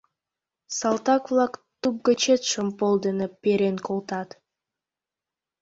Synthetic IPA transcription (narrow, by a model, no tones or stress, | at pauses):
sɑlˠt̪ɑkvlˠakt̪up̚ɡɵt͡ʃet̪ʃompolˠd̪ɯnɯpːeɾenkolˠt̪ɑt̪